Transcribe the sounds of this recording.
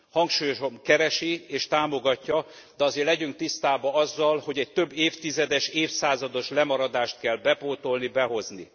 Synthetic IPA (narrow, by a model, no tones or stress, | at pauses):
hɒŋkʃuːjoʃomkɛɾɛʃieːʃt̪aːmo̞ɡɒcːɒ | d̪̥ɛɒzeːrlɛɟyŋk̚t̪ist̪aːbɒɒzːɒlho̞ɟɛc̚t̪ø̞bːeːft̪izɛd̪ɛʃeːfsaːzɒd̪o̞ʃlɛmɒɾɒd̪aːʃt̪̚kɛlbɛpoːt̪o̞lnibɛɦo̞zni